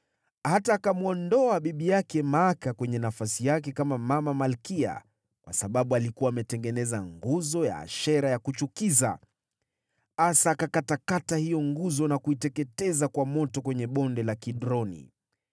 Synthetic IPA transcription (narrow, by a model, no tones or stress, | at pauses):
hataːkamuɔndɔaɓiɓijakɛmaakakwɛɲɛnafasijakɛkamamamamalkia̰ | kwʔa̰saɓaɓualikuaːmɛtɛŋɡɛnɛzaŋɡuzɔja̰ʃɛɾajakut͡ʃukiza̰ | asaːkakatakatahijɔŋɡuzɔnakuitɛkɛtɛzakwamɔtɔkwɛɲɛɓɔndɛlakiɗɾɔnḭ